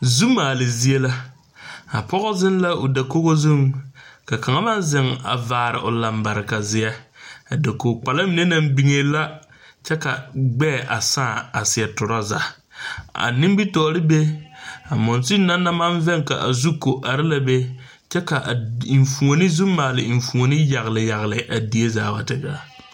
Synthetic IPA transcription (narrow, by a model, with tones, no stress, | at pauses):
zu˦mːaː˨lɪ˨zi˦e˦la˦ | a̰˨pɔ˦ɣɔ˦zɪ˦nla˦ʊ˨da˨ko˦ɣo˦zu˦mka˨ka˨ŋa˦ma˦nzɪ˨ŋa̰˨vaː˨ɾɪ̰˨ʔʊ˨la˨mba˨ɾɪ˨ka˨zɪ˨a˦a˨da˨ko˨k͡pa˨la˦mɪ˨ne˦na˦mbi˦ŋe˨la˦ | t͡ʃɛ˦ka˨ɡ͡bɛː˦˨ʔa˨sãː˦˨a˨sɪ˨ɛ˨tʊ˨ɾa˦za̰˨ | a̰˨nɪ˦m˦bi˦tɔː˨˦ɾɪ˦be˦a˨mɔ˨nsi˦nːa˦nːa˦ma˦nvɛ˦ŋka̰˨ʔa̰˨zu˦ko˨ʔa˨ɾɪ˦la˨be˦ | t͡ʃɛ˦ka˨ʔɱ˨fu˨o˨nɪ˦zu˦mːaː˨lɪ˨ɱ˨fu˨o˨nɪ˦ja˨ɣlɪ˨ja˨ɣlɪ˨ʔa˨di˨e˦zaː˨ba˨tɪ˨ɡa˨